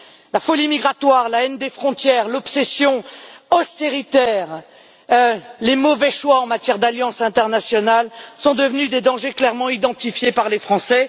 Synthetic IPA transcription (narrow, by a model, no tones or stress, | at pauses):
lafɔlimiɡʁat̪waʁlaɛnd̪efχɔ̃t̪jɛʁlɔpsɛsjɔ̃ɔst̪eʁit̪ɛʁ | lemɔvɛʃwaɑ̃mat̪jɛʁd̪aljɑ̃sɛ̃t̪ɛʁnasjɔnalsɔ̃d̪əvnyd̪ed̪ɑ̃ʒeklɛʁmɑ̃id̪ɑ̃t̪ifjepaʁlefχɑ̃sɛ